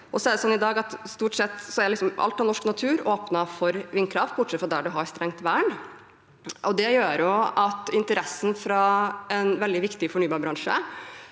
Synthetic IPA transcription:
ɔsɔɛːd̪əsɔnːɪd̪ɑːɡɑt̪st̪uːʈsɛt̪ːsɔæɾlɪksɔmʔɑ̰lt̪ɑnɔʂknɑt̪ʰʉːɾoːpnɑfɔɾʋɪnkʰɾɑft̪bʊʈʂɛt̪fɾɑd̪æɖʉɦɑɾst̪ɾɛŋt̪ʋæːɳ | ʔɔd̪ɛjøːɾjʊɑt̪ɪnt̪əɾɛsːən̩fɾɑɛnʋɛld̪ɪʋɪkt̪ɪfɔɳyːbɑːɾbɾɑŋʂə̰

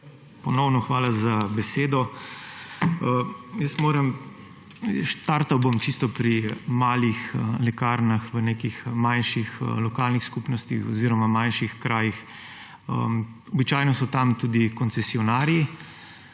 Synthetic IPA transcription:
pɔnɔwnɔxʋaːlazabɛseːd̪ɔ | əjəst̪moːɾəm | ʃt̪aɾt̪awbomt͡ʃist̪ɔpɾimaːlixəlɛkaɾnaxʋənekixmanʃixəlɔkaːlnixskupnɔst̪ixɔziːɾɔmamanʃixkɾʔaːjix | ə̰ | ɔbit͡ʃaːjnɔsɔt̪amt̪uːd̪ikɔnsɛsiɔnaːɾji

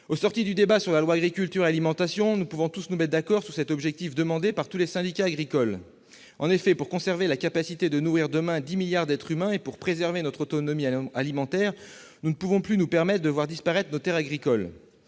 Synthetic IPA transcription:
osɔʁt̪id̪yd̪ebasyʁlalwaːɡʁikʲylt̪yʁealimɑ̃t̪asjɔ̃nupuvɔ̃t̪usnumɛt̪̚d̪akɔʁsyʁsɛt̪ɔbʒɛk̚t̪ifd̪əmɑ̃d̪epaʁt̪ulesɛ̃d̪ikʲaːɡʁikɔl | ɑ̰̃nefɛpuʁkɔ̃sɛʁvelakapasit̪ed̪ənuʁiʁd̪əmɛ̃d̪imiljaʁd̪ɛt̪χymɛ̃epuʁpχezɛʁvenɔt̪χot̪ɔnɔmialimɑ̃t̪ɛʁ | nunəpuvɔ̃plynupɛʁmɛt̪χd̪əvwaʁd̪ispaʁɛt̪χnot̪ɛʁaɡʁikɔl

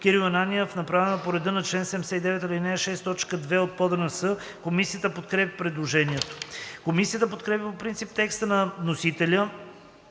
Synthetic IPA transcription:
kiɾiɐnaniɛfnɐpɾavɛnəpoɾɛd̪ənɐt͡ʃlɛnsɛmsɛid̪ɛvɛt̪ɐlinɛʃɛst̪ɔt͡ʃkəd̪vɛot̪̚pɔd̪ənəsɤ | komisijət̪əpot̪kɾɛpʲipɾɛd̪lˠoʒɛniɛt̪o̥komisijət̪əpot̪̚kɾɛpʲipopɾint̪sip̚t̪ɛkst̪ənɐnosit̪ɛlʲə

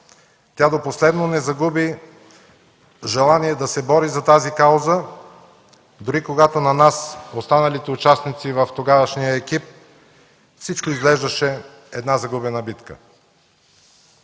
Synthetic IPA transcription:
t̪ʲad̪oposlɛd̪nonɛzɐɡubi | ʒɛlˠaniɛd̪ɐsɛbɔɾizɐt̪azikawzə | d̪ʊɾikoɡat̪onɐnasost̪anɐlit̪ɛʊt͡ʃasnit̪sivɐft̪oɡavəʃnijəɛkip̚ | fsit͡ʃkoizɡlɛʒd̪ɐʃɛ | ɛd̪nazɐɡubɛnəbit̪kə̰

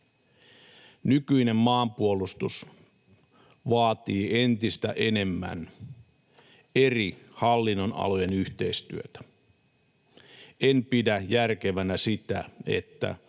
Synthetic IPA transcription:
nykyine̞mːɑːmpuolust̪us | ʋɑːt̪iːe̞nt̪ist̪æ̰ʔe̞ne̞mːæ̰n | erihɑlːinːonɑ̰lojenyht̪e̞ist̪yøt̪æ̥ | enpidæjærkeʋænæsit̪æ̰e̞̰t̪ːæ̰

